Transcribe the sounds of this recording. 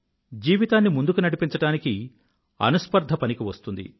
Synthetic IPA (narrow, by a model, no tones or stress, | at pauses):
d͡ʒiːʋit̪aːnːimund̪ukunɐɽipiɲt͡ʃɐɽaːniki | ɐ̰nuspɐɾd̪ʱɐpɐnikiʋɐst̪und̪ḭ